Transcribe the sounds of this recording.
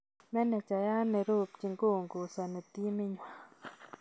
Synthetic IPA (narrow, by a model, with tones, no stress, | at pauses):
mɛ˦nɛ˨t͡ʃa˨ja˦ne˨ɾu˦˨pt͡ʃi˧˨ŋɡu˦˨ŋɡu˨sa˨ne˨t̪i˦mi˦ɲwa˨